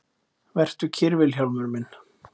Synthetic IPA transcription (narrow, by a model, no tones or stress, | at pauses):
vɛr̥t̪ʏcʰɪɾvɪlçawlmʏɾmɪnː